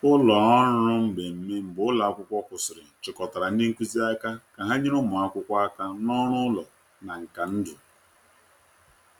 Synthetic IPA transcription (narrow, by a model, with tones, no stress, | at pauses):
ʊ˦lɔ˨ɔ˦ɾʊ˦m̩˦˨ɡ͡be˨m̩˨me˦m̩˨bʊ˨ʊ˦la˨a˦kʷʊ˦kʷɔ˦kʷʊ˨sɪ˨ɾɪ˨n̩˨t͡ʃɪ˨kɔ˨ta˨ɾa˨n̩˦dɪ˦ŋ̩˦kʷu˦zi˦a˦ka˦ka˨ɦa˦ɲɪ˦ɾʊ˦mʊ˨a˦kʷʊ˦kʷa˦a˦ka˦nɔ˦ɾʊ˦lɔ˨ | na˨ŋ̩˨ka˨n̩˦dʊ˨